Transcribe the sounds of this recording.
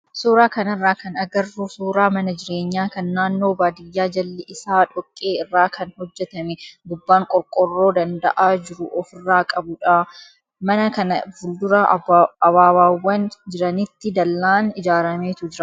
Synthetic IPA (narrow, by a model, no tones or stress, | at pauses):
suːɾaːkɐnɪrːaːkɐnɐɡɐrːusuːɾaːmɐnɐd͡ʒɪɾe̞ːɲːaːkɐnːaːnːo̞ːbaːd̪ɪjːaːd͡ʒɐlːɛʔɪsaːᶑɔkʼːe̞ːɪrːaːkʰɐnhɔd͡ʒːɛt̪ɐmɛɡʊbːaːŋkʼɔɾkʼɔrːo̞ːd̪ɐnd̪ɐ̰ʔaːd͡ʒɪɾʊʔɔfɪrːaːkʼɐbʊᶑaː | mɐnɐkɐnɐbʊld̪ʊɾɐɐβaːwaːwːɐnd͡ʒɪɾɐnɪt̪ːɪd̪ɐlːaːnɪd͡ʒaːɾɐmeːt̪ʊd͡ʒɪɾɐ